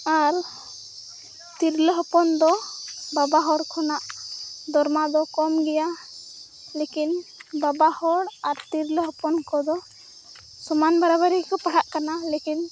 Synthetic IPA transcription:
aɾ | t̪iɾləɦɔpɔnd̪ɔbabaɦɔɽkʰɔnaʔd̪ɔɾmad̪ɔkɔmɡɛja | lekinbabahɔɽaɾt̪iɾləɦɔpɔnkɔd̪ɔ | sɔmanbaɾabaɾikɔpaɽaʔkanalekin

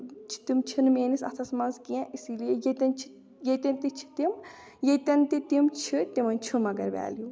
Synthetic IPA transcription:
t͡ʃʰi̥t̪imt͡ʃʰinmeːnisɐ̰t̪ʰɐsmɐnzkiãʔisilijejet̪ʲɐnt͡ʃʰi̥ | jet̪ʲɐnt̪it͡ʃʰi̥t̪im | jet̪ʲɐnt̪it̪imt͡ʃʰit̪imɐnt͡ʃʰumɐɡɐɾʋʲɛ̰ːlju

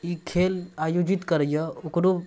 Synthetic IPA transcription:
ikʰelajod͡ʒit̪kəɾəjəokɾo

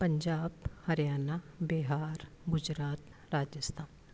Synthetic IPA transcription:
pɐ̃ɲd͡ʒaːbhɐɾjaːnabɪɦaːɾ | ɡʊd͡ʒɾaːt̪ | ɾaːd͡ʒəst̪ʰaːn

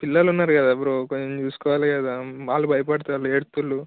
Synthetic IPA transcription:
pilːɐlunːaːɾɡaːd̪aɐbɐɾokoɲɲt͡ʃuːsu̥kɔːʋaːlɡaːd̪amaːlubʱɐjɐpɐɽt̪alueːɽt̪ulːu

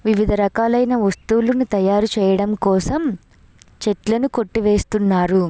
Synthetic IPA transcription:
ʋiʋid̪ʱɐɾɐkaːlɐjnɐʋɐst̪uulunut̪ɐjaːɾut͡ʃɛːjɐɽɐmkɔːsɐm | t͡ʃeʈlɐnuko̞ʈːiʋeːst̪unːaːɾu

